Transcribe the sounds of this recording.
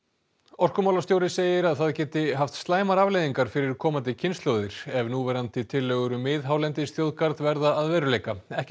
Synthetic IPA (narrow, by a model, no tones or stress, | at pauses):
ɔr̥kʏmawlast̪jowɾɪseːjɪɾaðθaðcɛːt̪ɪɦaft̪st̪laːjmaɾavlejðiŋkaɾ̥fɪɾɪɾkʰɔːmant̪ɪcʰɪnst̪lowðɪɾ̥ɛvnuvɛːɾant̪ɪt̪ʰɪlːœːɣʏɾʏmːɪðɦaːwlɛnt̪ɪsθjowðkaɾt̪vɛɾðaːðvɛːɾʏleːjkaɛhc